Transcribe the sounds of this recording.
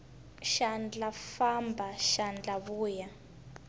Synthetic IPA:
ʃand͡ɮafambʱaʃand͡ɮaβuːja

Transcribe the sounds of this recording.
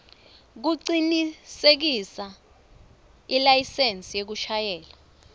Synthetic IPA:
k̬uǀinisek̬isa | ilajisent͡sʼijek̬uʃajɛːla

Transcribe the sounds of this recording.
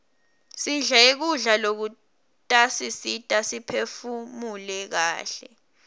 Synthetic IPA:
siɮaek̬uɮalok̬u | tʼasisitʼasipʰefumulɛk̬a̰ːɬɛ

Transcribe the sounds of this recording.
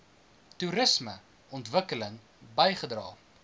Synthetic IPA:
tuɾəsmə | ɔntvəkələŋ | bəjχədrɑ̰ː

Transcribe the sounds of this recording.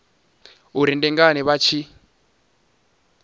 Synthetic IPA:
uɾindɛŋɡanɛβat͡ʃʰi

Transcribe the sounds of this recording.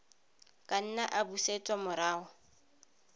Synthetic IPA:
kʼan̩naʔabusetʼɔmʊɾaːɔ

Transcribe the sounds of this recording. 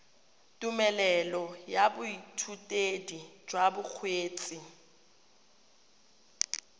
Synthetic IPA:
tʼumɛlɛlɔjabʊitʰutʼedi̥d͡ʒwabʊk͡xʰweːt͡sʼi

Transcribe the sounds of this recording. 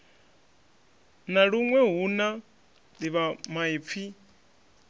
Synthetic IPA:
naɺuŋwɛɦuna | liβamaip̪fʰi

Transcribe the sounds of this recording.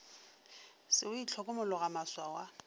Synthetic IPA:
sɪʊit͡ɬʰɔkʼʊmʊlʊɣamaswawa

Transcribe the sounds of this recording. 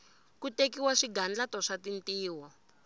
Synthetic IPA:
kutekiwaʂiɡand͡ɮatɔʂatintiːwɔ

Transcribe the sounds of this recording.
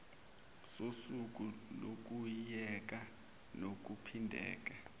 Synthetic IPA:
sosuk̬ulok̬ujɛk̬a | nok̬upʰindʱɛ̰ːk̬a

